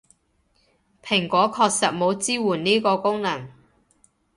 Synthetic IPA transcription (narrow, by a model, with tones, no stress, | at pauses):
pʰɪ˨˩ŋkʷɔː˨˥kʰɔː˧k̚sɐ˨t̚mo˨˧wt͡siː˥wuː˨˩nniː˥kɔː˧kʊ˥ŋnɐ˨˩ŋ